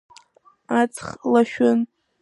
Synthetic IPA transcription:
at͡sʰχlaʃᶣʏn

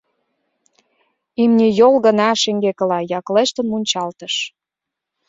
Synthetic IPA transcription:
imnʲijolɣə̆nɑʃeŋɡekə̆lɑjɑkleʃt̪ə̆nmunʲt͡ɕɑlt̪əʃ

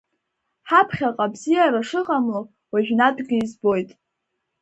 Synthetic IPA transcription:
ħapʰχʲaqʼabzijaɾaʂɨʁʼamlo | waʒᶣnadʼɡɨizbo̞jtʼ

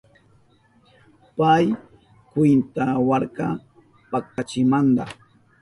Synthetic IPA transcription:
paj | kwɪnt̪awaɾka | pak̚at͡ʃɪmand̪a̰

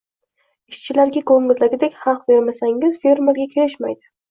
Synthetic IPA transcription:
ɪʃt͡ʃʰɪlaɾɡʲakʰɵŋɪlːaɡʲɪd̪ekʲhɑlˠq̚be̞ɾmasaŋɪzfeɾmeɾɡʲakʲʰeɾɪʃma̰jd̪ɪ

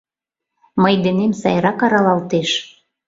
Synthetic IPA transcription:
məjd̪enemsɑ̰jɾɑkɑɾɑlɑlt̪eʃ

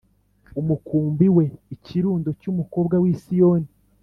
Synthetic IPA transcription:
umukuːmbiwe̞iciɾuːndo̞cumuko̞ːbɡawiːsijo̞ːni

